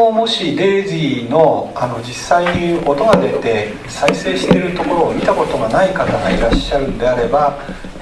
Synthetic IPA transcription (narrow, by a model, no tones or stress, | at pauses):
omo̞ɕid̪e̞ːʑino̞ano̞d͡ʑisːaio̞t̪o̞ɡad̪e̞t̪e̞ | saise̞ːɕi̥t̪e̞ɾɯ̟t̪o̞ko̞ɾo̞ːmʲit̪ako̞t̪o̞ɡanaikat̪aɡaiɾaɕːaɾɯ̟̃nod̪e̞aɾe̞ba